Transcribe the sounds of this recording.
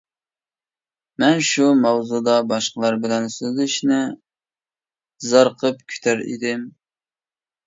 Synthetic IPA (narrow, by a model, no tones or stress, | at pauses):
mɛnʃumɑwzud̪ɑbɑʃqəlˠɑɾbɪlɛnsøzɪʃnɪ | zɑɾqʰəpkʲʰy̥t̪ʰæɾḭd̪ɪm